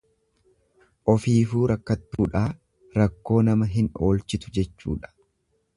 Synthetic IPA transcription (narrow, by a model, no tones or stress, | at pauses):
ʔɔfiːfuːɾɐkːɐt̪ːuːᶑaː | ɾɐkːo̞ːnɐmɐɦɪno̞ːlt͡ʃɪt̪ʊ̥d͡ʒɛt͡ʃːṵːᶑɐ̥